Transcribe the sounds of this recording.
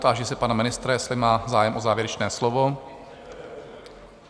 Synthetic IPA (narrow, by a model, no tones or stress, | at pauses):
t̪aaʒɛsɛpanamɪnɪst̪ɾajɛslɪmaːzaːjɛmʔozaːvjɛɾɛt͡ʃnɛːslovo